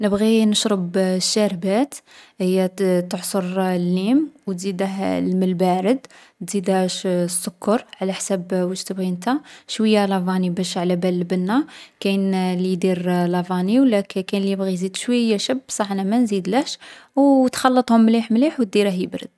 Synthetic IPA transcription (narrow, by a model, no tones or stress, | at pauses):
nəbɣinəʃɾəbʃːæɾbæt̪həjːæt̪əʕsˤoɾlːimwt̪zid̪əhlməlbæɾəd̪ | t̪zid̪æʃsːʊkːɑɾˤʕlæħsæbwəʒt̪əbɣint̪æʃwəjːalɑvɑnibæʃʕlæbælːbənːakæjnlijd̪iɾlɑvɑniwlækkænliəbɣizid̪ʃwəjːæʃəbːsˤɑħnæmænzid̪læʃwt̪xɑlːət̪ˤhʊmːliħmliħwt̪̚d̪iɾəɦjəbɾə̰d̪̥̚